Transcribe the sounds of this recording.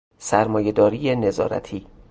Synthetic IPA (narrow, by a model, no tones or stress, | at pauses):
sæɾmɒːje̞d̪ɒːɾiːjene̞zɒ̰ːɾæ̰t̪ʰiː